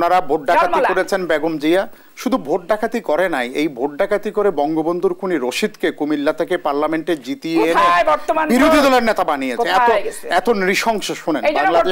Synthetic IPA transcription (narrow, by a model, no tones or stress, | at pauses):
naɾabʱoʈ̚ɖakʰat̪ioɾet͡ɕʰenbeɡomd͡ʑija | ʃud̪ʱubʱoʈ̚ɖakʰat̪ikɔɾenajejbʱoʈ̚ɖakʰat̪ikoɾebɔŋɡobond̪ʱuɾkʰuniɾoʃid̪kekumilːat̪ʰekepaɾlameɳʈed͡ʑit̪ieɾebɔɾt̪omabiɾod̪ʱid̪ɔleɾnet̪abanijekʰeɛt̪oɛt̪onɾiʃɔŋʃoʃunenbaŋlae